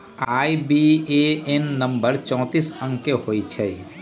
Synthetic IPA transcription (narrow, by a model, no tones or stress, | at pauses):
aːibieenːə̃mbəɾt͡ʃɔ̃ːt̪iːsə̃ŋɡkehoːit͡ʃʰɛi